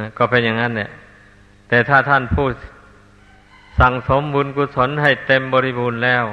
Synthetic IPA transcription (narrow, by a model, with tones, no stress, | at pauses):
kɔː˧˩pe˧nja˧˨ŋa˦˥˨nlɛ˧˩˨ | t̪ɛː˨˩t̪ʰaː˥˩t̪ʰa˥˩npʰuː˥˩t̪̚ | sa˨˩ŋso˨˦mbuː˧nkuː˧˥t̪̚so˨˦˥nɦa˥˩jt̪e˧mbɔː˧ɾi˦˧˩buː˧nlɛː˥˩w